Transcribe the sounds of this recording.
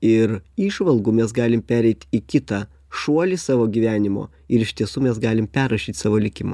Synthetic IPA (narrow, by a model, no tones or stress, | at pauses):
ɪɾiːʃʋɐlˠɡuːmʲɛs̬ɡɑːlʲɪmpʲæːɾʲɛɪt̪ʲikʲɪt̪ɑ | ʃuɔlʲɪsɑːʋoːɡʲiːʋʲæːnʲɪmo̰ː | ɪɾɪʃʲt̪ʲiɛsuːmʲɛs̬ɡɑːlʲɪmpʲæɾɐʃʲiːt̪ʲsɑːʋoːlʲɪkʲɪmo̰